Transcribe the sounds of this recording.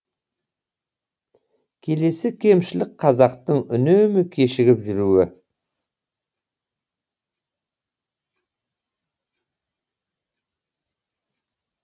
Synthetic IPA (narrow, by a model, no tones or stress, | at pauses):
kʲʰe̞le̞sɪkʲʰe̞mʃɪlɪk̚qʰɑzɑqt̪əɴʏnømɪkʲʰe̞ʃɪɡʲɪpʒʏɾuwɪ